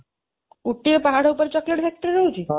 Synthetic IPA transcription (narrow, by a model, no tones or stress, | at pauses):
uʈːipaɦaɽ̤upəɾt͡ɕɔkleʈbʱɛk̚ʈəɾiɾəut͡ʃʰi